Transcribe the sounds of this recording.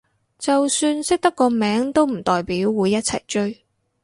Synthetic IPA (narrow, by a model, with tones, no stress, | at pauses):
t͡sɐ˨wsyː˧nsɪ˥k̚t̪ɐ˥kːɔː˧mɛː˨˥ŋt̪o˥wm̩˨˩t̪ɔː˨jpiː˨˥wːuː˨˧jːɐ˥t̚t͡sʰɐ̰˨˩jt͡ʃɵ˥ɥ